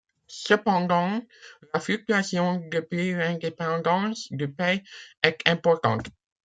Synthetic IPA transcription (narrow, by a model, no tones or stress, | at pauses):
səpɑ̃d̪ɑ̃laflyk̚t̪yasjɔ̃d̪əpilɛ̃d̪epɑ̃d̪ɑ̃sd̪əpɛɛt̪ʰɛ̃pɔʁt̪ɑ̰̃t̪